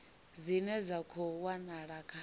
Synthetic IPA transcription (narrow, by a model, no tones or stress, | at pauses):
zinɛzakʰɔwanaɺakʰa